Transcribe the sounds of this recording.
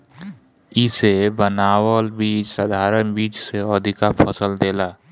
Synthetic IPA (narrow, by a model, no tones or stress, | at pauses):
ɪsebənaːwəlbiːt͡ʃsəd̪ʱaːɾənbiːt͡ʃseɔd̪ʱikapʰəsəld̪eːlaː